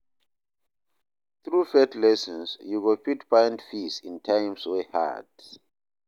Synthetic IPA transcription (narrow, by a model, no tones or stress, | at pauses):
θɹufɛtlɛsɔ̃nsjuɡɔpitpʰãj̃ndfisĩntʰãjmsweha̰d̥